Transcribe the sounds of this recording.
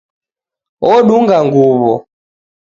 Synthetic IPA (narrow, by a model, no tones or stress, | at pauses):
ɔɗuŋɡaŋɡuβɔ̰